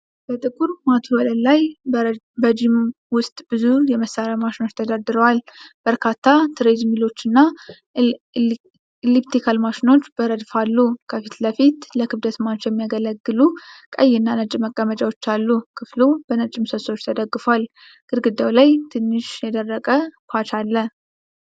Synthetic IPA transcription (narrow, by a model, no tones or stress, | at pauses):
b̥ət̪ʼɨkʼuɾmat̪ʰuwələlaj | bəd͡ʒim | wʊst̪ʼb̥ɨzujɛməsːaɾamaʃino̞t͡ʃːt̪ʰəd̪ad̪ɨɾəwalb̥əɾkʰat̪ʰːat̪ʰɨɾed͡ʒmilo̞t͡ʃːɨnːa | lipt̪ʰikʰalmaʃino̞t͡ʃːb̥əɾəd̪falːukʰəfit̪ləfit̪ləkʰɨβd̪ət̪mat͡ʃːjɛmːijaɡələɡːɨlukʼəjːɪnːanət͡ʃʼɪmːəkʼːəmət͡ʃʼawo̞t͡ʃːalːukʰɨflub̥ənət͡ʃʼɪmsəlsot͡ʃːt̪ʰəd̪əɡːɨfal | ɡ̥ɨɾɡɨd̪ːawlajt̪ʰɨnːɨʃjɛd̪ərːəkʼəkʰʷat͡ʃalːə